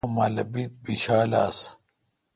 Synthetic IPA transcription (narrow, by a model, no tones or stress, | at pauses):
malɐbit̪̚biɕaːlas